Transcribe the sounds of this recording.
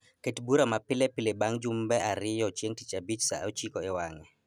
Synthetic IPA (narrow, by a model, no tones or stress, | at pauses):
ketbuɾamapɪlɛpɪlebaŋd͡ʒʊmbɛʔaɾɪjɔt͡ʃjeŋtit͡ʃabit͡ʃsa̰ot͡ʃikɔɪwaŋɛ